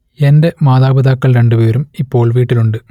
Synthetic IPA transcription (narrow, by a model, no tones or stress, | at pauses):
ende̞maːðaːbɐðaːkːɐɭɾe̞ɳɖupe̞ːɾumipːo̞ːɭʋiːʈːiluɳɖɨ